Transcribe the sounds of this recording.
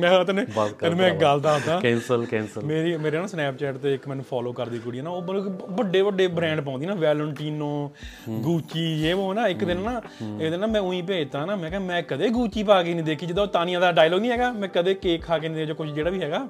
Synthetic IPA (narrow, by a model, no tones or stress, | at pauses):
mɛ̃ːt̪aneːbəmɛ̃ːɡəlt̪ãːɦət̪ãːɛːnsəlkɛːnsəlmeːɾiːmeːɾeːnãːsnɛːp̚t͡ʃɛːʈt̪eːɪkmɛ̃ːnũːpʰɔːloːkəɾd̪iːkʊɽiːɛːnaːoːbəbəɖːeːbəɖeːbɾɛ̃ːɳɖp̬ɔ̃ːnd̪iːnaːʋɛːləɳʈiːnõːɡuːt͡ʃiːd͡ʒeːʋoːnãːɪkd̪ɪnːaː | ɪkd̪ɪnːãːmɛ̃ːʊĩːp̬eːd͡ʒt̪ãːnaːmɛ̃ːkɛmɛ̃ːkəd̪eːɡuːt͡ʃiːpaːkeːnĩːd̪eːkʰiːd͡ʒɪd̪aoːt̪aːnĩjãːd̪aːɖaːilɔːɡnĩːɦɛːɡaːmɛ̃ːkəd̪eːkeːkʰːaːkeːnĩːd̪ed͡ʒoːkʊʃʰd͡ʒeːɽaːʋiːɦɛːɡaː